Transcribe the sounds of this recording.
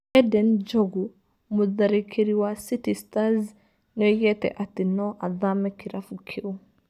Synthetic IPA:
ɛdɛnd͡ʒoɡu | muðaɾikʰeɾiwasitistaz | nɔjɛtɛ̰ʔatinɔʔaðamɛkiɾafukʰew

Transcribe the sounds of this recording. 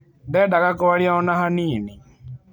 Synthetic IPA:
d̪ɛɖakaɡɔwaɽiaɔnaɦanini

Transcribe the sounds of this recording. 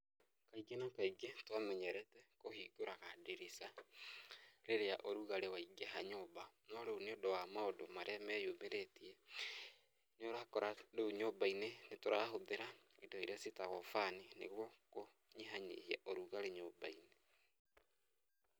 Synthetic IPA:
kaiɡenakaiɡetwamɛɲɛɾɛtɛkohiːɡoɾaɣadeɾisa | ɾeɾeaʔoɾuɣaɾewaiɡeɦaɲobanɔɾeoneodowamaodomaɾʔeamɛjomeɾetiɛ | noɾohakɔɾaɾoɲobainenetoɾaɦoðeɾaedoiɾeasetaɣɔfaninḛɣwɔko | ɲeɦaɲḛhiaʔoɾuɣaɾeɲobaine

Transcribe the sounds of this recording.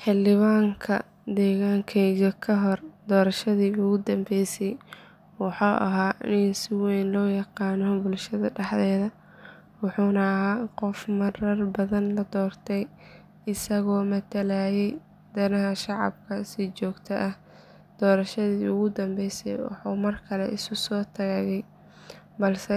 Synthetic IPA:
ħɪldɪβaːŋkʰɐ̰ | d̪ɛːɣaːŋkʰɛjɣɐkʰɐɦɔrd̪ɔːɾɐʃɐðiːʊɣʊd̪ɐmbɛjsɛj | wɑħuːʔɐ̰ɦaːɪnsɪwɛjnlɔːjɑqɑːnɔbʊlʃɐðɐɖɐħðɛːðɐ | wɑħuːnɐːɦaːqɔfmɐɾɐrbɐðɐnlɐd̪ɔːrt̪ʰɛj | ɪsɐɣɔːmɐt̪ʰɐlaːjɛj | d̪̥ɐnɐɦɐʃɑʕɑ̰b̚kʰɐsɪt͡ʃɔːɡt̪ʰɐʔɐh | d̪̥ɔːɾɐʃɐðiːʊɣʊd̪ɐmbɛjsɛ̰jwɑ̰ħṵːmɐrkʰɐlɛ̰ʔɪsʊsɔːt̪ʰɐɣɐɣɛj | bɐlsɛ

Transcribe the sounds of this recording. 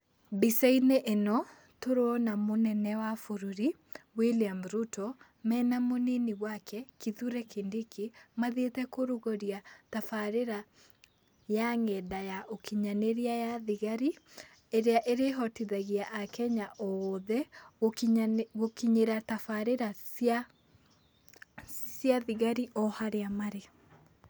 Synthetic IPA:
bisaineʔenɔ | toɾoɔnamonɛnɛwafoɾuɾi | wiliamɾutɔ | mɛːnamoneniɣwakʰɛkiðuɾɛkʰendikimaðetɛkoɾoɣɔɾiatafaɾeɾa | jaŋɛdajaʔokʰiɲaneɾiajaðiɣaɾi | eɾeaʔeɾeɦɔtiðaɣiaʔakɛɲaʔoðɛoɣokiɲeɾatafaɾeɾasja | sjaðiɣaɾiʔɔhaɾeamaɾe

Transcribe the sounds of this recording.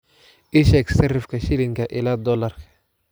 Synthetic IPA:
ɪʃɛksɛɾɪfkɐʃɪlɪŋkɐʔɪlaːd̪ɔlaɾ

